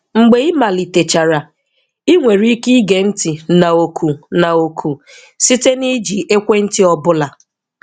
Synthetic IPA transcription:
ŋ͡m̩˨ɡ͡be˨i˦ma˨li˨te˨t͡ʃa˨ɾa˨ | i˦ŋʷe˨ɾi˦ki˦ɡe˨n̩˦ti˨na˨o˨kʰu˨na˨o˨kʰu˨ | si˦te˦ni˦d͡ʒi˨ʔe˦kʷe˦n̩˦tɪ˦ɔ˦bʊ˦la˨

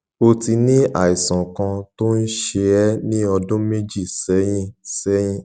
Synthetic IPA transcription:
o˧ti˧nĩ˦a̰˦˨i˨sã˨kã˧to˦n̩˦ʃe˧ɛ˦nĩ˦ɔ˧dõ˦me˦d͡ʒi˦˨sɛ˨˦j̃ĩ˦sɛ˨˦j̃ĩ˦

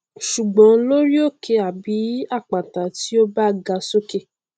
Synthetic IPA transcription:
ʃu˨ɡ͡bɔ̃˨˦lo˦ɾi˦o˦˨kʰe˧a˨bi˨˦a˦˨k͡pa˨ta˨ti˨˦o˦ba˦ɡa˧so˦ke˦˨

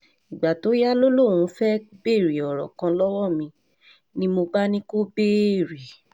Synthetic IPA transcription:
i˨ɡ͡ba˨to˨˦ja˦lo˦lõ˦˨ũ˧˦fɛ˦be˦˨ɾi˨ɔ˨ɾɔ̰˨kã˧lɔ˦wɔ˦mĩ˧ | nĩ˦mo˧ba˦nĩ˦ko˦be˦˨ɾi˨

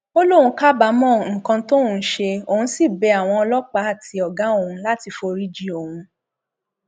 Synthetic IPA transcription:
o˦lo˦hũ˧˦ka˦ba˨˦mɔ̃˦˨ŋ̩˨kã˧to˦ũ˨˧˦ʃe˧o˨ũ˧˦si˦˨bɛ˨˧a˨w̃ɔ̃˧ɔ˧lɔ˦k͡pa˨˦a˦˨ti˧ɔ˨ɡã˨˦o˦˨ũ˧la˦ti˧fo˧ɾi˦d͡ʒi˦o˨hũ˧

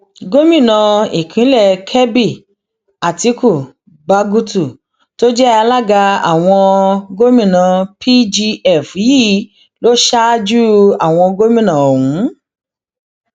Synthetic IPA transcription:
ɡo˦mĩ˦˨nã˨˧i˨kʰĩ˨˦lɛ˦˨kʰɛ˦bi˦˨ | a˨ti˨˦ku˦˨ | ba˧ɡu˦tu˦˨ | to˦d͡ʒɛ˦a˧la˦ɡa˧a̰˨w̃ɔ̃˧ɡo˦mĩ˦˨nã˨pʰi˦d͡ʒi˧ɛ˦˨fji˦˨ | lo˦ʃa˦d͡ʒu˦a˦˨w̃ɔ̃˧ɡo˦mĩ˦˨nã˨o˨wũ˨˦

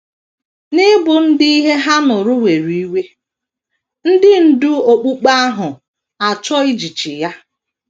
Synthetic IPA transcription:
nɪ˦bʊ˨n̩˦di˦i˦ɦe˦ɦa˦nʊ˨ɾʊ˦we˨ɾi˦we˦ | n̩˦dɪ˦n̩˦du˦o˨k͡pu˦k͡pa˦a˦ɦʊ˨ | a˨t͡ʃɔ˦i˦d͡ʒi˨t͡ʃi˨ja˦

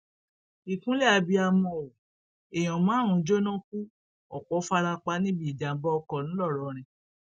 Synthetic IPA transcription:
i˨kũ˨˦lɛ˦a˧bi˧a˧mɔ̃˧˨o˨ | e˨j̃ɔ̃˨mãː˨˦˨ɾ̃ũ˨˧˦d͡ʒo˦nɔ̃˦ku˦ | ɔ˨k͡pɔ˨˦fa˧ɾa˧k͡pa˦nĩ˦bi˦˨da˨m̩˨˦bɔ˦ɔ˧kɔ˧˨nũ˨˦lɔ˦˨ɾɔ˨ɾ̃ɛ̃˧˨

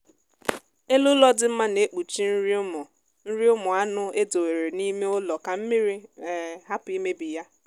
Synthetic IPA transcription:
e˦lʊ˦lɔ˦dɪ˦m̩˦ma˦ne˨˦k͡pu˨t͡ʃi˦n̩˦ɾi˦mɔ˨ | n̩˦ɾi˦ʊ˦mʊ˨a˦nʊ˦e˦do˨we˨ɾe˨ni˦me˦ʊ˦lɔ˨ka˨m̩˦mi˦ɾi˦˨ɦa˦pʊ˨i˦me˦bi˨ja˦

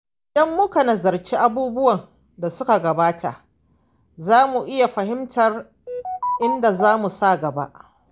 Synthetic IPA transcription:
ʔɪ˨dɐ˦mːʊ˦ka˨nɐ˨zɐ˨rt͡ʃiː˦ʔa˦buː˦bʊ˦wɐ˨n | da˨sʊ˦ka˨ɡɐ˨baː˦tʰa̰˨ | zaː˦mu˨ʔɪ˦ja˨ɸɐ˨ɦɪ˦mtɐ˨r | ʔɪ˦nda˨zaː˦mu˨sa˦˨ɡɐ˨ba̰˦ʔ

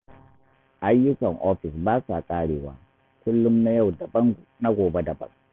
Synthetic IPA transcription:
ʔa˦jːʊ˦kɐ˨ŋʔɔ˦ɸɪ˨sbaː˦sa˨kʼaː˦ɽeː˨wa̰ː˦ | kʷʊ˦lːʊ˦mna˦ja˦˨wdɐ˨bɐ˦ŋna˦ɡʷoː˨be˦dɐ˨bɐ̰˦ŋ

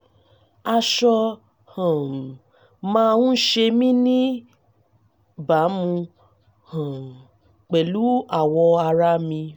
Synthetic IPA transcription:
a˧ʃɔ˧ | hã˨ | mãː˦˧ũ˦ʃe˧mĩ˦nĩ˦ | ba˨˦mũ˧ | hã˨ | k͡pɛ˨lu˨˦a˦˨wɔ˧a˧ɾa˦mĩ˧

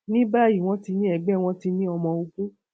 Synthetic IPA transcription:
nĩ˦ba˦˨ji˦˨w̃ɔ̃˦ti˧nĩ˦ɛ˨ɡ͡bɛ˨˦˨w̃ɔ̃˦ti˧nĩ˦ɔ˧mɔ̃˧o˧ɡũ˦

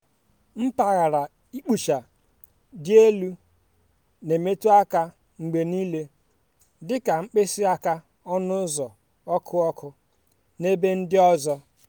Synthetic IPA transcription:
m̩˦ta˨ɣa˨ɾa˨ | i˦k͡pu˨ʃa˨ | dɪ˦e˦lu˦ | ne˨me˦tu˦a˦ka˦ | ŋ͡m̩˨ɡ͡be˨ni˦le˦ | dɪ˦ka˨ŋ͡m̩˦k͡pe˦sɪ˦a˦ka˦ | ɔ˦nʊ˦zɔ˨ | ɔ˦kʰʊ˦ɔ˦kʊ˦ | ne˦be˦n̩˦dɪ˦ɔ˦zɔ˦

